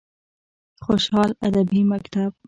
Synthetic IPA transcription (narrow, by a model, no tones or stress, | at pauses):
xoʃhɑlad̪abimakt̪ab̥̚